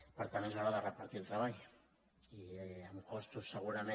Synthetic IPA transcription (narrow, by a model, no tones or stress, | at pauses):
pəɾt̪amensaɾaðərəpaɾt̪ilˠt̪ɾaβaʎ | iamkɔst̪usːəɣ̞uɾamẽ